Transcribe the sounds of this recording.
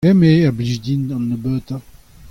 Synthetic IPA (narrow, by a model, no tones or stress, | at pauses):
ɛmejabliʒd̪inanːəbøt̪a